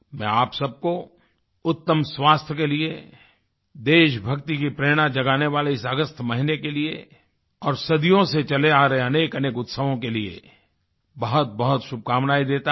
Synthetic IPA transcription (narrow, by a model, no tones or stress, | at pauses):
mɛ̰̃aːpsɐb̚ko | ʊt̪ːəmswaːst̪ʰjəkelie | d̪eːʃbʱɐkt̪ikipɾeːɽ̃ad͡ʒɐɡaːneʋaːleɪsəɡəst̪ʰmɐɦɪnekelie | ɔːɾsɐd̪ijõset͡ʃɐleaːɾɐɦeɐneːkɐneːkʊt̪səʋõkeliḛ | bɐɦʊt̪̚bɐɦʊt̪ʃʊb̚kaːmnaːid̪eːt̪a